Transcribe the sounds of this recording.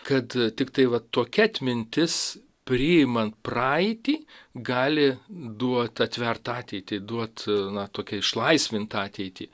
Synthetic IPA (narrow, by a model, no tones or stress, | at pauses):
kɐt̪t̪ʲɪkt̪ɐɪʋɐt̪ːoːkʲɛɐt̪ʲmʲɪnʲt̪ʲɪs | pʲrʲɪɪmɐnt̪̚prɑːɛɪt̪ʲiːɡɑːlʲɪd̪uɔt̪ɐt̪ʲʋʲɛrt̪ɑːt̪ʲɛɪt̪ʲiːd̪uɔt̪nɐt̪oːkʲɛɪʃlˠɐɪsʲʋʲɪnt̪ɑːt̪ʲɛɪt̪ʲḭː